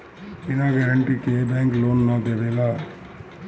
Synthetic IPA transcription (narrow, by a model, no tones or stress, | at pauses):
inaːɡɐɾɐɳʈikeːbaːŋkloːnːaːd̪eʋelaː